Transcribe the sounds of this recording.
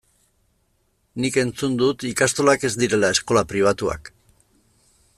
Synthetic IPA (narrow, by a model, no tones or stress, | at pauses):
nike̞nt͡sund̪ut̪ikast̪o̞lake̞zd̪iɾe̞lae̞sko̞lapɾiβ̞at̪ua̰k